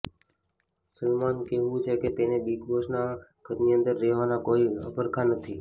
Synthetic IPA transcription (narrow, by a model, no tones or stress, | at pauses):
səlmankɛɦʋũt͡ʃʰeket̪enebiɡʋoʃnaɡ̥ʱəɾniənd̪əɾːɛɦʋanakoiə̰pəɾkʰanət̪ʰi